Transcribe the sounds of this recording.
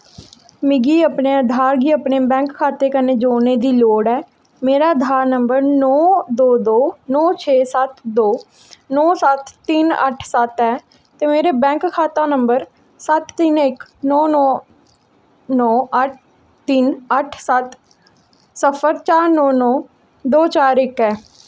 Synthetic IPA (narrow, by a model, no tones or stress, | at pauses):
mɪɡiːəpɳeːəd̪ʱaːɾɡiːəpneːbɛ̃ːŋkʰːaːt̪eːkəneːd͡ʒoːneːd̪iːloːɽɛː | meːɾaːd̪ʱaːɾnəmbəɾnɔːd̪oːd̪oːnɔːt͡ʃʰeːsət̪d̪oː | nɔːsət̪ːɪnə̰ʈʰsət̪ɛː | t̪eːmeːɾeːbɛ̃ːŋkkʰːaːt̪ãːnəmbəɾ | sət̪ːɪnɪknɔːnɔː | nɔːəʈ̚ʰ | t̪ɪnəʈʰsət̪ | səpʰəɾt͡ʃaːɾnɔːnɔː | d̪oːt͡ʃaːɾɪkɛː